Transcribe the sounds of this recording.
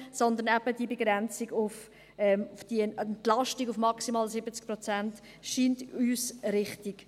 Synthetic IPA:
sɔnd̪ənɛb̥əd̥iəbeɡɾɛnt͡siɡʊf | ɛmfd̥iɛɛntlɑʃtiɡʊfmɑksimɑːlsɪbət͡sk̚pɾɔt͡sɛnt | ʃiːntyːsɾɪχtiɡ̥

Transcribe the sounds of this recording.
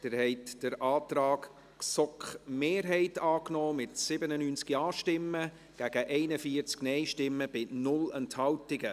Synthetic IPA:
d̥ɪɾhɛɪtd̥əɾʔɑːt̪rɑːk | ksɔkχmeːrɦɛɪtɑːknɔːmɪtsɪbənənyːnt͡skiɑːʃtɪmːə | ɡ̥æɡ̥əʔɛɪnəfiəɾt͡sknɛɪʃtɪmːəb̥ɪnʊlɛnthɑwtɪɡə

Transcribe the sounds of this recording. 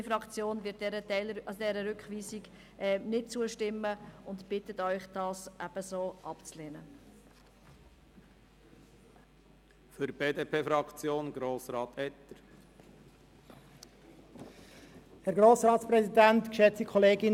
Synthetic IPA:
fɾɑkt͡sjoːnvɪt̚dɛɾətɛɪlɾʔɑsdɛɾəɾʏkχʋiːsiɡ | ʔɛnɪt̚t͡suəʃtɪməʊntb̥ɪtətœʏχd̥ɑːsʔæb̥əsoːʔɑpt͡sleːnə | føɾb̥eːd̪eːpʰeːfɾɑkt͡sjoːnɡ̥ɾoːsɾɑːt̪ɛt̪ːəɾ | hɛɾɡɾoːsɾɑːtt͡sprɛsidænt̪kʃɛt͡sikʰɔleːɡɪn

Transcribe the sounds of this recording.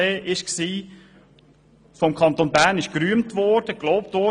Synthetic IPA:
eːʔɪʃksiː | fɔmkʰɑntonbæːɾnɪʃkɾyəmtʋɔɾd̥əɡ̥loʊp̚tʋɔ

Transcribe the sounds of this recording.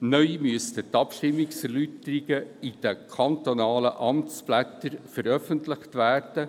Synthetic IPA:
nœʏmyəst̪ət̪ɑpʃtɪmːɪksɛɾlyt̪əɾiɡəid̥əkʰɑnt̪onɑːləʔɑmt͡splæt̪ːəɾfəɾœfənt̪lɪχt̪ʋæːrd̥ə

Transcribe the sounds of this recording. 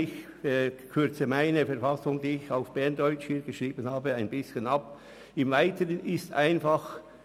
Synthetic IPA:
ɪç | kʰʏɾt͡səmaɪnəfɛɾfɑsʊŋdiːɪçaʊfb̥ɛɐndɔʏt͡ʃhiːɡəʃʁiːbənhaːbəaɪnbɪsçənɑp̚ | ɪmvaɪtəʁənɪstʔa̰ɪnfɑχ

